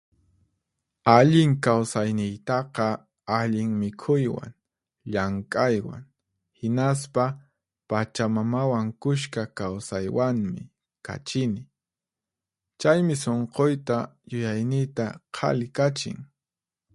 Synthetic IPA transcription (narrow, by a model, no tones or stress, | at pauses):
aʎɪŋkawsajnɪjt̪ɑqɑ | aʎɪŋmɪkʰʊjwa̰ŋ | ʎaŋkʼajwa̰ŋ | hɪnaspa | pat͡ʃamamawaŋkʊʃkakawsajwaŋmɪ̰ | ka̰t͡ʃɪnɪ | t͡ʃajmɪs̬oɴqojt̪ajʊjajnɪjt̪aqʰɑ̰lɪkat͡ʃɪ̰ŋ